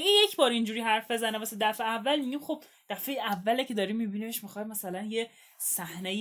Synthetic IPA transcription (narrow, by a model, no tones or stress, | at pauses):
injecʰbɒːɾind͡ʒuːɾiːɦæɾfbe̞zænebæsed̪æfeævːælmiɟiːmχob̥̚ | d̪̥æfejeævːælecʲʰe̞d̪ɒːɾimːiːbinibeʃmixɒːjmæsælænje | sæhnej